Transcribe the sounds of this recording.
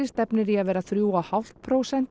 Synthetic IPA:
ɪst̪ɛpnɪɾiaðvɛːɾaθɾjuːwahal̥t̪̚pʰɾoːwsɛn̥t̪

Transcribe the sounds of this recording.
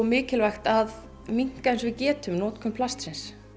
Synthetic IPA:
mɪːcɪlvajxt̪að | miŋ̥kaensvɪðcɛːt̪ʏmnɔːt̪kʰʏmpʰlast̪sɪns

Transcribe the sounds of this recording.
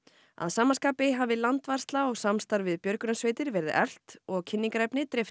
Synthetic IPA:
a̰ðsaːmanskaːpɪɦaːvɪlant̪var̥st̪laɔɣsamst̪aɾvɪðpjœɾkʏnasveːjt̪ɪɾvɛɾðɪ̰ʔɛl̥t̪ɔɣcʰɪnːiŋkaɾɛjpnɪt̪ɾɪf

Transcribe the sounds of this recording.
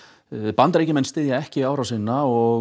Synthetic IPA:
pant̪ɾeːjcɪmɛnst̪ɪːðjaɛhcɪiaːwɾawsɪnːaɔ

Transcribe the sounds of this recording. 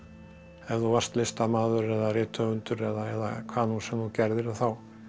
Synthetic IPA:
ɛvðɔvast̪lɪst̪amaːðʏɾɛðarɪːt̪ʰœʏnt̪ʏɾɛðaɛða̰kʰvaːnunsɛmnucɛɾðɪɾaθaw

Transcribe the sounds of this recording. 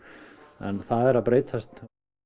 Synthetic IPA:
ɛ̰nθaðɛɾaðpɾeːjt̪ʰast̪

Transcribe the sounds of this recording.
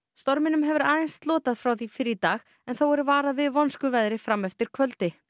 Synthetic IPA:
st̪ɔɾmɪnʏmɦɛvʏɾaːjnst̪lɔːt̪aðfɾawθifɪɾit̪aːɣ | ɛnθawɛɾvaːɾavɪðvɔnskʏvajðɾɪfɾamːɛft̪ɪɾ̥kʰvœlt̪ɪ

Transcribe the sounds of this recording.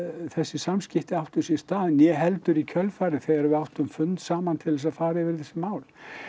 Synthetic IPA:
θɛsːɪsamscɪht̪ɪawht̪ʏsjɛ̥st̪aːðɪnjɛɦɛlt̪ʏɾicʰœlfaːɾɪθɛɣaɾɛvʏawht̪ʏmfʏnt̪saːmant̪ʰɪlɛsaðfaːɾaɛvɪɾθɛsːɪmaːwl

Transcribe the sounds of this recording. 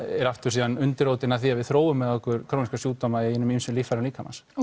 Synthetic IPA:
ɛɾaft̪ʏɾ̥siːðanʏnt̪ɪɾowt̪ɪnaðθiavɪðθɾoːwʏmːɛðɔhkʏɾkʰɾownskasjuːt̪ːɔmaɪɪnːʏmimsʏlifaɾaliːkʰama̰s

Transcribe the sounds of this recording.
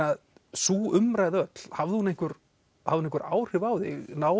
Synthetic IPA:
að | suːʏmɾaːjðœt̪l̥havðɪhunejŋ̥kʏɾ̥ | ha̰vðɪhnehŋkːɾʔa̰ːwr̥ɪvaːwðɪɣnaː

